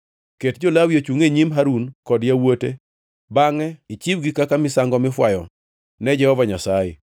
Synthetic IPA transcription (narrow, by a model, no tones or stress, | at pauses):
ketd͡ʒolawjot͡ʃuŋeɲimɦaɾunkɔdjawotḛ | baŋɛɪt͡ʃibɡikakamɪsaŋɡɔmɪfwajɔ | nɛd͡ʒɛhɔvaɲasajḛ